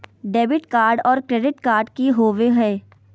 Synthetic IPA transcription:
ɖeːbɪʈkaːɾɖɔːɾkɾeːɖɪʈkaːɾɖkiɦoːʋeɦɛː

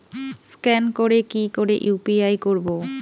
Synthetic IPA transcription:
skɛnkoɾekikoɾḛʔupiajkoɾbo

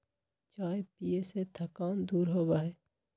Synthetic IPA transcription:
t͡ʃaːepieset̪ʰəkaːnd̪uːɾɦoːbaːɦeː

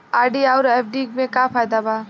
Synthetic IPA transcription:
aɾɖiaʊɾep̚ʰɖikmẽkapʰajd̪aba

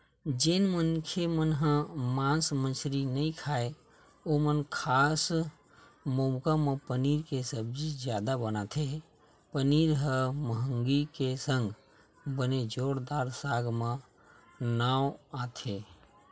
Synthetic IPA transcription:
d͡ʒenmənkʰemənɦə̃mãnsmə̃nsɾinəĩkʰaːe | omənkʰaːs | mõmkamẽpəniːɾkesəbd͡ʒid͡ʒjaːd̪abənat̪ʰe | pəniɾɦə̃məɦəŋɡikesə̃ŋɡ | bəned͡ʒoːɽd̪aːɾsaːɡmẽ | nawat̪ʰe

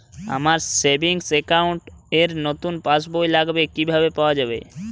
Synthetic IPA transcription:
a̰maɾsebʱiŋsekawɳʈeɾnot̪unpasbojlaɡbekibʱabepawad͡ʑabḛ

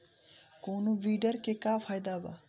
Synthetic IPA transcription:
koːnoʋiːɖəɾkekaːfʰaːjd̪aba̰

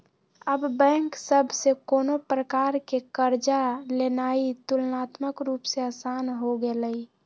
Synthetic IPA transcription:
əbːɛ̃ŋksəbʱsekoːnopɾəkaːɾkekəɾd͡ʒalenait̪ʊlnat̪məkɾuːpseəsanɦoɡeləi

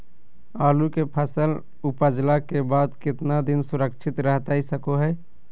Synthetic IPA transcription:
aːlukepʰəsəl | upəd͡ʒlakebaːd̪kɪt̪nad̪ɪnsʊɾəkt͡ʃʰɪt̪ɾəɦt̪aisəkoɦɛː

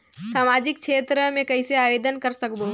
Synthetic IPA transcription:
saːmaːd͡ʑɪkt͡ʃʰeːt̪ɾəmẽkɐiseaːʋeːd̪ənkɐɾsɐkb̪o

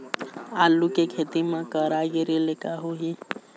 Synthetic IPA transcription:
aːlːukekʰeːt̪imãkəɾaːɡeɾelekaɦuɦi

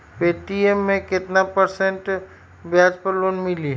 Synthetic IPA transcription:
peːʈiemːẽkɪt̪napɐɾsẽɳʈ | bjaːd͡ʒpɐɾloːnmɪli

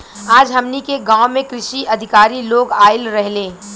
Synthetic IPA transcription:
aːd͡ʒɦɐmnikeɡãːʊmẽkɾɪʃiʔɐd̪ʱɪkaːɾiloːɡaːɪlɾɛɦleː

